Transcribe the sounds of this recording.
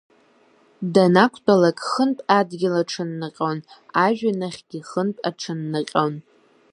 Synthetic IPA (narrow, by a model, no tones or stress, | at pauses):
danakʷʰtʰʼalakʼχənpʼadɡʲɪlaʈ͡ʂʰɨnːɨqʲʼownaʒᶣanaχʲɡ̥ʲiχənpʼaʈ͡ʂʰɨnːɨqʲʼown